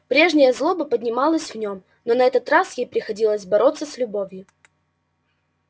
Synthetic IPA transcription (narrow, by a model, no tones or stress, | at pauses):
pɾʲe̞ʐnʲɪjəzlˠobɨpədʲnʲɪmalˠəsʲvnʲo̞m | nonɐɛt̪ət̪rasjejpɾʲɪxɐdʲilˠəsʲbɐɾo̞t̪sːəsʲlʲʊbovʲjʊ